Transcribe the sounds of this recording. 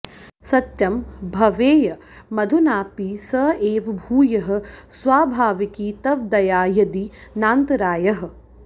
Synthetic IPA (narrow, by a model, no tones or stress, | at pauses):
sɐt̪jɐmbʱɐʋeːjɐ | mɐd̪ʱunaːpisɐːeːʋbʱuːjɐɦɐ̆sʋaːbʱaːʋikiːt̪ɐʋd̪ɐjaːjɐd̪inaːnt̪ɐɾaːjɐɦɐ̆